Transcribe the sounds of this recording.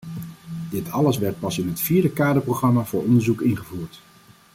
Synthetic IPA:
dɪtʰɑləsʋɛɹt̚pɑsɪnɦətfiːɹdəkaːdəproχrɑmaːvʊːɹɔndəɹzukɪnχəvuːɹt

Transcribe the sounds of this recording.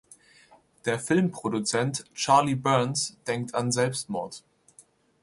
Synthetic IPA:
d̥eːɐfɪlmpʁ̥odut͡sɛntt͡ʃaɐlibɜɐnsd̥ɛŋk̚tʰanzɛlpstmɔɐt

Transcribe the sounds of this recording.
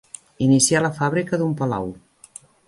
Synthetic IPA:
inisialəfaβɾikəðumpəla̰w

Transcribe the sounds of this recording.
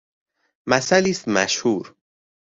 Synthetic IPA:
mæsæliːst̪mæ̰ʃhuːɾ

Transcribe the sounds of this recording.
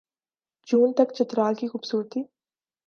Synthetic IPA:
d͡ʒuːnt̪ɐkt͡ʃɐt̪ɾaːlkixʊbsuːɾt̪iː

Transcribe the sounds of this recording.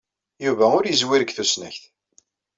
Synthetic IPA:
juvæʊɾjəzwiɾəɡθusnə̰çθ

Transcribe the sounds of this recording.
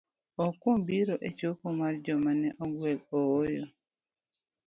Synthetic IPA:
ɔkombiɾoʔet͡ʃokomaɾd͡ʒɔmanɛʔɔɡwɛlɔːjɔ

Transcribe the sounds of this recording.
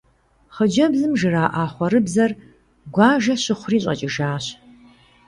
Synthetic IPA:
χəd͡ʒɐbzɨmʒɨraːʔaːχʷɔɾɨbzɐr | ɡʷaːʒɐɕɪχʷʊriːɕʼɐ̰t͡ʃʼɪʒaːɕ

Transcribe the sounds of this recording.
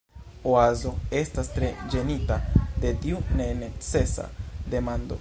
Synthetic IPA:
oazo̞e̞stastɾe̞d͡ʒe̞nitade̞tiune̞net͡se̞sa̰de̞mando̞̰

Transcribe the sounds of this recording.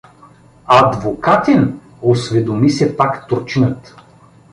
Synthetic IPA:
ad̪vokat̪ɛn | osvɛd̪omisɛpakt̪oɾt͡ʃinət̪

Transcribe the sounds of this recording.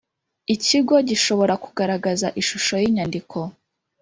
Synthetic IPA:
iciɡo̞ɟiʃo̞βo̞ɾakuɡaɾaɡazaʔiʃuʃo̞jiɲandikʰo̞

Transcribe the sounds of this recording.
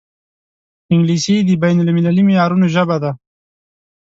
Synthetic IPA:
ɪŋɡlised̪əbajnʊlmɪlalimejɑːɾunoʒəbad̪a

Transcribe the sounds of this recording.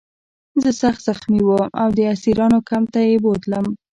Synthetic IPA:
zəsaxt̪z̥axmiwəma̰wd̪əasiɾɑnokamt̪ajebot̪ləm

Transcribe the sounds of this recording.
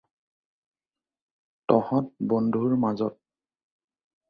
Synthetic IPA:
tɔhɔt̚bɔndʱuɹmazɔt̚

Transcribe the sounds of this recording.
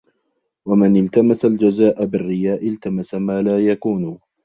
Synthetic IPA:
wamɪnɪlt̪amasald͡ʒazaːʔabɪrːɪjaːʔɪlt̪amasamaːlaːjakuːn

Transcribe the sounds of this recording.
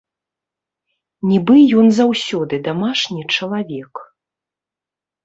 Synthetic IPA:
nʲibɨjɔnzawsʲɔd̪ɨd̪amaʂnʲit͡ʂɐlˠavʲɛk

